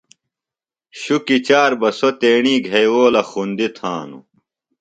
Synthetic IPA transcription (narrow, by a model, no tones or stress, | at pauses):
ɕukit͡ɕaːɾbɐsot̪eːɳiːɡʱɐjwoːlɐxund̪it̪ʰãːnṵ